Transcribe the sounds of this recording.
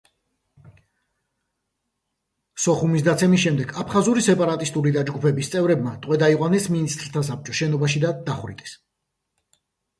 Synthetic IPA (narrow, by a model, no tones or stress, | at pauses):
sɔχumis̬d̪at̪sʰɛmisʃɛmd̪ɛɡapʰχazuɾisɛpʼaɾat̪ʼist̪ʼuɾid̪ad͡ʒɡupʰɛbist̪sʼɛvɾɛbmat̪ʼwɛd̪aiqʼwanɛsminist̪ʼɾt̪ʰas̬ap̚t͡ʃʼɔʃɛnɔbaʃid̪ad̪̥aχwɾit̪ʼɛ̥s